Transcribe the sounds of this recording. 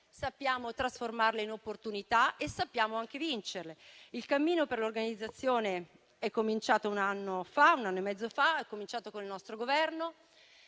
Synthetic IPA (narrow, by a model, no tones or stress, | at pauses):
sapːjaːmot̪ɾasformarleinopːort̪unit̪aesːapːjaːmoaŋk̟evint͡ʃerleilkamːiːnoperlorɡanid̪zːat̪sːjoːne | ɛkːomint͡ʃaːt̪ounanːofaunanːoemːɛd̪zːofaɛkːomint͡ʃaːt̪okonilnɔst̪ɾoɡovɛrno